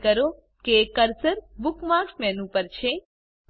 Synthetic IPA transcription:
kəɾo | kekəɾsəɾbukmaksmɛnũpəɾt͡ʃʰe

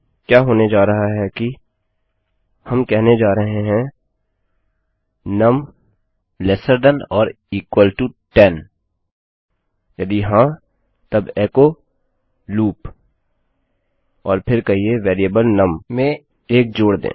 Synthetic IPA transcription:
kjaːɦoːned͡ʒaːɾɐɦaɦɛki | hɐmkɛɦned͡ʒaːɾɐɦẽɦɛ̃ | nɐm | lɛːsəɾɖənɔːɾ | iːkwəlʈuʈɛn | jɐd̪iɦãː | t̪ɐbɛːko | luːp | ɔːɾpʰɪɾkɐɦieʋɛːɾijəbəlnɐmmẽ | eːk̚d͡ʒoːɽd̪ḛ̃ː

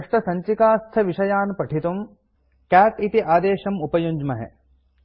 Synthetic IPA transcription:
ʂʈɐsɐɲt͡ʃikaːst̪ʰɐʋiʃɐjaːnpɐʈʰit̪um | kæːʈit̪iʔaːd̪eːʃɐmupɐjuɲd͡ʒmɐɦḛ

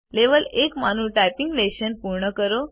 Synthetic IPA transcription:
leʋəlekmanuʈajpiŋɡleɕənpuɾɳəkəɾo

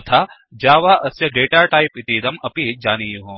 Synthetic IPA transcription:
t̪ʰa | d͡ʒaːʋaːʔɐsjɐɡeːʈaːɾʈaːɪpit̪id̪ɐmɐpid͡ʒaːnijuɦõː

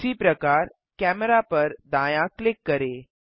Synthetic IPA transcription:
iːpɾəkaɾ | kæməɾapəɾd̪ãjãklɪkːəɾe

